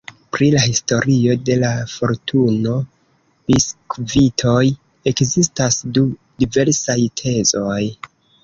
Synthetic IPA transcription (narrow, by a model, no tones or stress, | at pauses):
pɾilahisto̞ɾio̞de̞lafo̞ɾtuno̞ | b̥iskvitʰo̞j | e̞kzistasdudive̞ɾsajtʰe̞zo̞j